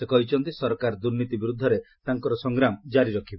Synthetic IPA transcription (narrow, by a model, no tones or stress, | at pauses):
sekɔɦit͡ʃʰɔnt̪isɔɾkaɾd̪uɾnit̪ibiɾud̪ʱːɔɾet̪aŋkɔɾɔsɔŋɡɾamɔd͡ʒaɾiɾɔkʰibɔ